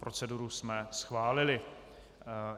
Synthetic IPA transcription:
pɾot͡sɛduɾusmɛsxvaːlɪlɪ

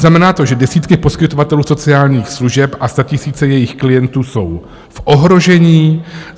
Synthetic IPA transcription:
namɛnaːt̪o̞ʒɛdɛsiːt̪kɪpo̞skɪt̪o̞vat̪ɛluːso̞t͡sɪaːlɲiːxsluʒɛpʔast̪acɪsiːt͡sɛjɛjɪxklɪjɛnt̪uːso̞w | fʔo̞ɦɾo̞ʒɛɲiː

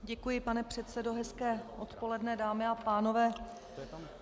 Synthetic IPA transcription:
ɟɛkujɪpanɛpr̝̥ɛt̪sɛdo̞ɦɛskɛːʔo̞t̪po̞lɛdnɛdaːmɪapaːno̞vɛː

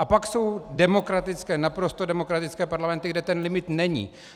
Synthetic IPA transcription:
ʔapakso̞wdɛmo̞kɾat̪ɪt͡skɛːnapɾo̞st̪odɛmo̞kɾat̪ɪt͡skɛːpaɾlamɛnt̪ɪɡdɛt̪ɛnlɪmɪt̪nɛɲḭː

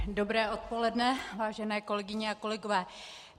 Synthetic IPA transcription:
do̞bɾɛːʔo̞t̪̚po̞lɛdnɛvaːʒɛnɛːko̞lɛɡɪɲɛako̞lɛɡo̞vɛː

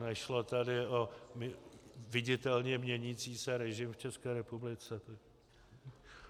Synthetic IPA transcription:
nɛʃlo̞t̪adɪomvɪɟɪt̪ɛlɲɛmɲɛɲiːt͡siːsɛɾɛʒɪmft͡ʃɛskɛːɾɛpublɪt͡sɛt̪

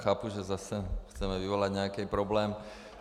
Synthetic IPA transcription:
xaːpuʒɛzasɛxt͡sɛmɛvivolaɟɲɛakɛpɾɔblɛːm

